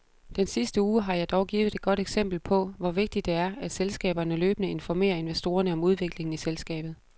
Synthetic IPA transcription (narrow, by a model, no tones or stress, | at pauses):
d̥ensisd̥əuːɦɑ̈jɑ̈ɪd̥ɒʊɡ̥iːʋð̩ˠe̝d̥̚ɡ̥ɒ̽ɾ̥eɡ̥sem̰b̥l̩pʰɒ̽ʋɒʋe̝ɡ̥̚d̥id̥e̝æɐæd̥selsɡ̥ɛ̰ːb̥ɐnəløːb̥ənəe̝nfɒme̝̰ːɐe̝nʋesd̥o̝ːɐnəɒ̽muð̞ˠʋe̝ɡ̥le̝ŋn̩iselsɡ̥ɛ̰ːb̥ð̩ˠ